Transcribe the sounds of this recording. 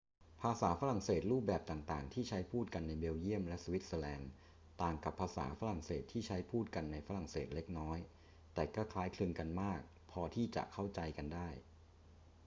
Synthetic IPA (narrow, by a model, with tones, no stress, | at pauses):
pʰaː˧saː˩˦fa˦˥ɾa˨˩ŋseː˨˩t̪̚ɾuː˥˩p̚bɛː˨˩p̚t̪aː˨˩ŋt̪aː˨˩ŋt̪ʰiː˥˩t͡ɕʰa˦˥jpʰuː˥˩t̪̚ka˧nːa˧jbe˧wji˥˩əmlɛ˦˥su˧wi˦˥t̪̚səː˧lɛː˧n | t̪aː˨˩ŋka˨˩pʰːaː˧sa̰ː˩˦fa˦˥ɾa˨˩ŋseː˨˩t̪ʰːiː˥˩t͡ɕʰa˦˥jpʰuː˥˩t̪̚ka˧nːa˧jfa˦˥ɾa˨˩ŋseː˨˩t̪̚le˦˥k̚nɔː˦˥j | t̪ɛː˨˩kɔː˥˩kʰlaː˦˥jkʰlɯː˧nka˧nmaː˥˩k̚ | pʰɔː˧t̪ʰiː˥˩t͡ɕa̰˨˩ʔkʰa˥˩wt͡ɕa˧jka˧ndaː˥˩j